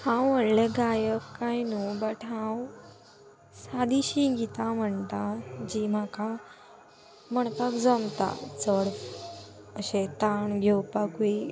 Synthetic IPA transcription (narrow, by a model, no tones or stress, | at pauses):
hãwːəɽleɡajəkːajnubəʈɦãw | sad̪iɕiɡit̪am̤əɳt̪ad͡ʑiːm̤aka | m̤əɳt̪əkd͡zəmt̪a̰t͡səɽ | əɕet̪aɳɡʱewpaki